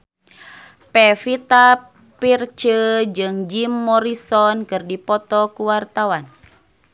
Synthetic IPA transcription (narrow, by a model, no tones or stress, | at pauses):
pɛfit̪a | pirt͡ʃəd͡ʒɨŋd͡ʒimːɔɾisɔnkɨrdipɔt̪ɔkuwart̪awan